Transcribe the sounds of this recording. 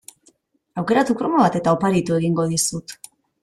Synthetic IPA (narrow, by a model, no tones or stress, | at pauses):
awke̞ɾat̪ukɾomaβat̪e̞t̪aopaɾit̪ue̞ɣiŋɡo̞ðisut̪